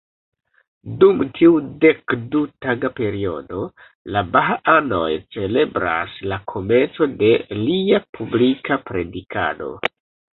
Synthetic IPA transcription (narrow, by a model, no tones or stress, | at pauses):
dumtʰiude̞kdutaɡape̞ɾio̞̰do̞ | labaɦaano̞̰jt͡se̞le̞bɾa̰slakʰo̞me̞nt͡so̞de̞liapʰublikapɾe̞dikʰa̰do̞̰